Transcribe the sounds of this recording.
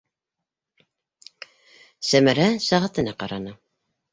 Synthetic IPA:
sæmæɾæsæʁɑt̪ɤ̆nɑqɑɾɑnɑ

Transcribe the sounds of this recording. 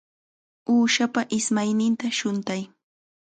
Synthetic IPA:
uːʃapaʔɪsmajnɪnt̪aʃʊnt̪aj

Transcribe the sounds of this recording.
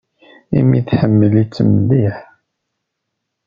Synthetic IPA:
imiθħəmːəlit͡sːəməðiħ

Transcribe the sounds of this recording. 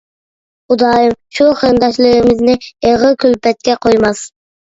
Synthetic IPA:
ud̪ɑːjɨmʃuχəɾɨnd̪ɑʃlˠɨɾɨmɪznɪeʁɨkʲʰylpɛt̪̚kʲɛqʰojmɑs

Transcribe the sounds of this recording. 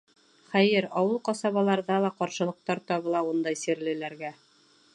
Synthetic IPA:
χæjɘɾɑwɤlˠqɑsɑβɑlˠɑɾðɑlˠɑqɑɾʃɤ̆lˠɤ̆q̚t̪ɑɾt̪ɑβɤ̆lˠɑund̪ɑjsiɾlɘ̆læɾɡæ

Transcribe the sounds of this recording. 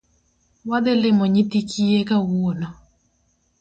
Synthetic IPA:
wad̪ɪlɪmɔɲɪt̪ikʰiekawuonɔ

